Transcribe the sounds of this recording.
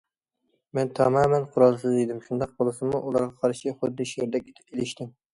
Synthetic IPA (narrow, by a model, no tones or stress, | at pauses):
mɛnt̪ʰɑmɑːmɛnqʰʊɾɑlˠsɪzejd̪ɪmʃund̪ɑq̚bolˠɨsɨmʊʔulˠɑɾʁɑqʰɑɾʃiχʊd̪ːɨʃjeɾd̪ɛkʲʰe̥t̪ʰɪ̥pelɪʃt̪ɪm